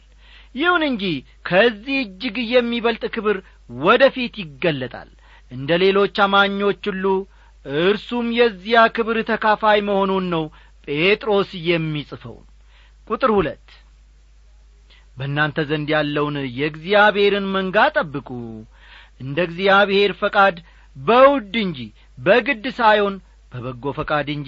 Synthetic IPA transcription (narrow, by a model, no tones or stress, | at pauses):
jɪhunɨɲd͡ʒi | kʰəzːihɨd͡ʒːɪɡɨjɛmːiβəlt̪ʼkʰɨβɨɾ | wɔd̪əfit̪jɪɡːəlːət̪ʼa̰l | ʔɨnd̪əle̞lo̞t͡ʃːamaɲːo̞t͡ʃːɨlːu | ɨɾsumjɛzːijakʰɨβɾt̪ʰəkʰafajməho̞nunːəw | pʼe̞t̪ʼɾo̞sjɛmːisʼfə̰w | kʼut̪ʼɨɾhulət̪ː | bəɨnːant̪ʰəzənd̪jalːəwnjɛɡzijaβhe̞ɾɨnməŋɡat̪ʼəbːɨkʼu | ʔɨnd̪əɡzijaβɨhe̞ɾfəkʼad̪ | bəwʊd̪ːɨɲd͡ʒi | bəɡɨd̪ːɨsajho̞n | b̥əβəɡːo̞fəkʼad̪ɨɲd͡ʒ